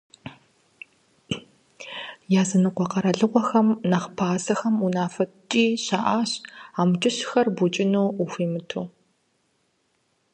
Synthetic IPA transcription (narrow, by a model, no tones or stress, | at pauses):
jaːzɨnɨqʷɔqɐɾɐɮɨʁʷɔxɐmnɐχpʰaːsɐxɐmunaːfɐt͡ʃʼiːɕaːʔaːɕaːmt͡ʃʼɨɕxɐrbut͡ʃʼɪnoːuxʷiːmɨtʰuː